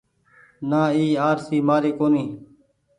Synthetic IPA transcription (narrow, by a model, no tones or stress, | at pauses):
naːiːaːɾsiːmaːɾiːkoːniː